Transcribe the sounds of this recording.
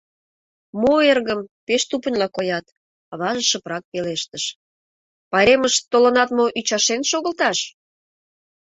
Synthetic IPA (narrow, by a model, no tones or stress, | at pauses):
moerɣəmpeʃt̪upə̆nʲlɑkojɑt̪ | ɑβɑʒəʃə̆pɾɑk̚peleʃt̪əʃ | pɑɾeməʃt̪olə̆nɑt̪moʔyt͡ɕɑʃenʃoɣə̆lt̪ɑʃ